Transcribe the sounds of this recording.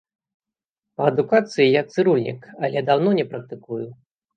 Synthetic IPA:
pɐɐd̪ukat̪sɨjijak̪̚sɨɾulʲnʲḭkɐlʲɛd̪awnɔnʲɛpɾɐk̚t̪ɨkuju

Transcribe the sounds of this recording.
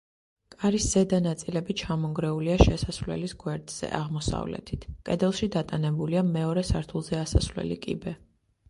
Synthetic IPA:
kʼaɾisz̥ɛd̪anat̪sʼilɛbit͡ʃʰamɔŋɡɾɛuliaʃɛsasvlɛ̰lisɡwɛɾd̪z̥ɛ̰ʔaʁmɔsa̰vlɛ̰t̪ʰit̪ʰkʼɛd̪ɛlˠʃid̪at̪ʼanɛbuliamɛɔɾɛsaɾt̪ʰulˠzɛasa̰svlɛ̰lḭkʼḭbɛ

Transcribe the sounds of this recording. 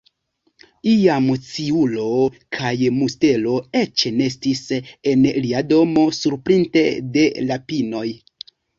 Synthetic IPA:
iamt͡siulo̞kʰajmuste̞lo̞e̞t͡ʃne̞s̬tisenliado̞mo̞suɾpɾinte̞de̞lapino̞j

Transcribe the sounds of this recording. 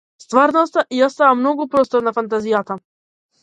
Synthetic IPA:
st̪vaɾnɔst̪aʔijast̪avamnɔɡupɾɔst̪ɔɾnafant̪azijat̪a

